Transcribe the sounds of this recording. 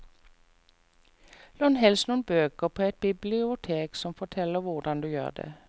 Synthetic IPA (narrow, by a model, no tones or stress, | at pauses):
loːnɦɛlsnuːnəbøːkəʁpʰoːɛt̪̚bɪblɪʊt̪ʰeːksɔmfɔt̪ʰɛləʋʊʁdɑnd̪ʉjø̰ːʁd̪ɛ̰